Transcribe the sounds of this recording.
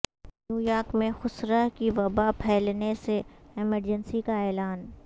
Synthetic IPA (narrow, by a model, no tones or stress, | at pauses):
njuːjaːɾkmẽxʊsɾakiʋɐbapʰɛːlneseɪməɾd͡ʒənsikaɛːlaːn